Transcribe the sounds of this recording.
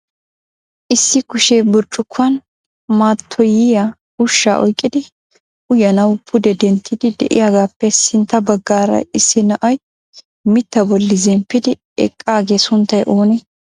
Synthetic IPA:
ʔɪsːɪkʊʃebʊɾt͡ʃʼːʊkʰːʊɐn | maːt̪ʰːɔjɪja | ʊʃːa̰ːʔɔ̰jkʼːɪd̪ɪ | ʊjɐnɐwpʰʊd̪ɛd̪ɛnt̪ʰːɪd̪ɪd̪ɛ̰ʔɪ̰jaːɡaːpːɛsɪnt̪ːɐbɐɡːaːɾɐ̰ɪsːɪnɐʔɐj | mɪt̪ːɐbɔlːɪzɛmpːɪd̪ɪ | ɛ̰kʼːaːɡeːsʊnt̪ːɐjʔoːnɛ

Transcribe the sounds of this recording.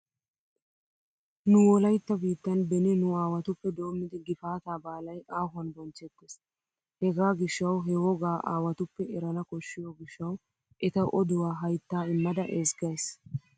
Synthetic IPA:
nʊwɔlɐjt̪ːɐbiːt̪ːɐnbɛnɪnʊaːwɐt̪ʊpːɛd̪o̞ːmːɪd̪ɪɡɪfaːt̪aːbaːlɐjʔaːɦɐnbɔnt͡ʃːɛt̪ːes | hɛɡaːɡɪʃːɐwɦɛwɔɡaːʔa̰ːwɐt̪ʊpːɛɛɾɐnɐkɔʃːɪjoːɡɪʃːɐw | ʔɛt̪ɐʔɔd̪ʊwaːɦɐjt̪ːaːɪmːɐd̪ɐʔeːsɡɐjs

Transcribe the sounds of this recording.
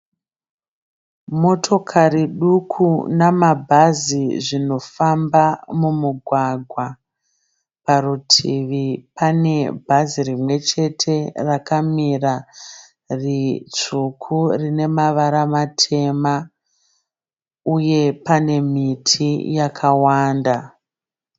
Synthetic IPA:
mo̞tʰo̞kʰaɾiɗukʰunamabʱaziʐino̞fambamumuɡʱwaɡʱwa | paɾutʰiʋipane̞bʱazirimwe̞t͡ʃe̞tʰe̞rakamira | rit͡ʂukʰurine̞maʋaɾamatʰe̞ma | uje̞pane̞mitʰijakʰawaːnda

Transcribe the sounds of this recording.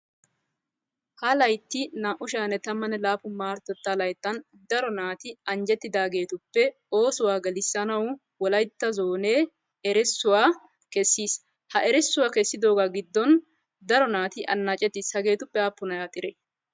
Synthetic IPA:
hɐlɐjt̪ːɪnaːʔʊʃaːnɛt̪ɐmːɐnɛlaːfʊmaːɾt̪ɔt̪ːaːlɐjt̪ːɐn | d̪ɐɾɔnaːt̪ɪɐnd͡ʒɛt̪ːɪd̪aːɡe̞ːt̪ʊpːɛ | o̞ːsʊwaːɡɐlɪsːɐnɐw | wɔlɐjt̪ːɐzoːneː | ɛɾɛsːʊwaː | kɛsːiːs | hɐʔɛɾɛsːʊwaːkɛsːɪd̪o̞ːɡaːɡɪd̪ːɔn | d̪ɐɾɔnaːt̪ɪʔɐ̰nːaːt͡ʃʼɛt̪ːɪshɐɡe̞ːt̪ʊpːɛapːʊnɐjaːt̪ʼɪɾe

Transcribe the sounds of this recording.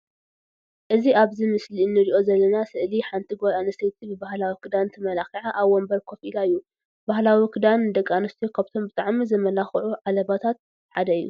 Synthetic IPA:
ʔɨziaβzimɨslinːɨɾiʔo̞zɐlːɐnasɨʔliħant̪ʰiɡojanɐsɐjt̪ʰibɨbahlawikʰɨd̪ant̪ʰɨmɐlaxiʕaʔaβwɔmbɐɾkʰo̞filaɨjːu | bahlawikʰɨd̪and̪ɐkʼːanɨst̪ʰjokʰaβt̪ʰo̞mbɨt̪ʼaʕmizɐmɐlaxʕuʕalɐβat̪ʰat̪̚ | ħad̪ɐɨjːṵ

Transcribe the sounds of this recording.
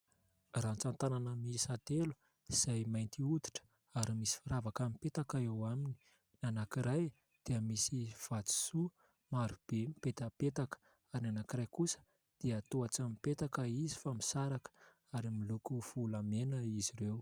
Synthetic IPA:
rant͡sant̪ananəmisat̪elu̥ | iz̥ajmajnt̪iud̪i̥ʈ͡ʂə̥ | aɾimisi̥fiɾavakamipet̪akaewamini | nanakiɾaj | d̪̥eəmisiv̥at͡si̥su | maɾub̥emipet̪əpet̪akə̥ | aɾinanakiɾajkusə̥ | d̪̥eət̪uat͡samipet̪akəizi̥famisaɾakə̥ | aɾimilukuv̥ulamenəiziɾew

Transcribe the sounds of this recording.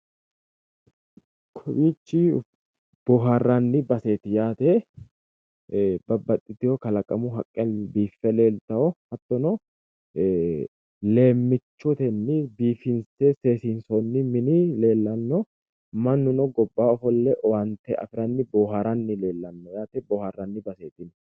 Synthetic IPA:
kʰɔwiːt͡ʃːɪ | b̥oːɦarːanːɪbɐseːt̪ɪjaːt̪e | bɐbːɐt̪ʼːɪt̪ːɪjɔkɐlɐkʼːɐmʊɦɐkʼːɛlbiːfːɛle̞ːlt̪ɐɔhɐt̪ːɔnɔ | le̞ːmːɪt͡ʃːɔt̪ɛnːɪbiːfɪnsɛse̞ːsinsɔnːɪmɪnɪle̞ːlːɐnːɔ | mɐnːʊnɔɡɔbːaːɔfɔlːɛʔɔwɐnt̪ɛɐ̰fɪɾɐnːɪboːɦaɾɐnːɪle̞ːlːɐnːɔjaːt̪ɛbɔːharːɐnːɪbɐse̞ːt̪ɪn

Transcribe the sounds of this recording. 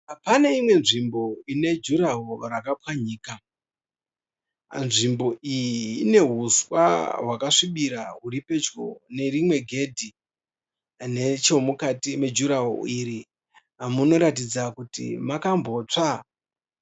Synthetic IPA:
pane̞imwe̞nʐimbo̞ine̞d͡ʒuɾaɦorakapwaɲiːka | nʐimbo̞ʔijiːne̞ɦuswa̰wakaʂiɓiɾaɦuɾipe̞d͡ʒɡo̰ne̞rimwe̞ɡʱe̞dʱi | net͡ʃo̞mukatime̞d͡ʒuɾaɦo̰iːɾi | muno̞ɾat̬id͡zakutḭmakamboːt͡ʂa

